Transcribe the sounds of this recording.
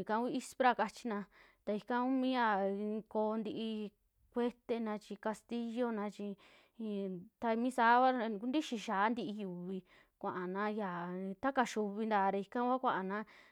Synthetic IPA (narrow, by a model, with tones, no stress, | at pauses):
kã˧˦i˦˧i˦spɾa˧ka˧t͡ʃi˧nã˧ | t̪a˧i˧kã˦u˦mĩ˦ja˧˨˧ko˧nd̪i˧ʔi˧ | kʷe˦t̪e˧nã˧t͡ʃi˧ka˧st̪i˦jo˦nã˧t͡ʃi˧ | t̪a˧mĩ˦saː˨˦βa˦˧ku˦nd̪i˦ʃi˧ʃaː˨˦nd̪i˧ʔi˧ju˨βi˧ | kʷã˨ʔa˨nã˧˦ja˨˧t̪a˦ka˧ʃu˧βi˧nd̪aː˧˨˧ɾe˧i˧kã˦kʷa˦kʷã˧ʔa˨nã˦